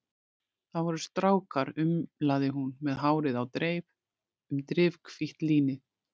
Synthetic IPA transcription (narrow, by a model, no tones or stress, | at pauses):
θaðvɔɾʏst̪ɾaːwkaɾʏmlaːðɪɦunmɛðɦaːwɾɪðawt̪ɾeːjp | ʏmt̪ɾɪvkfiht̪liːnɪ